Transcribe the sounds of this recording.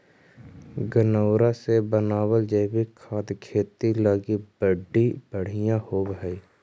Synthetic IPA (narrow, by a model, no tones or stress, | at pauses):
ɡənəːɾasebənaːwəld͡ʒebikʰaːd̪kʰeːt̪ilaːɡibəɖːib̥əɽ̤ɪjãhoːbɦɛi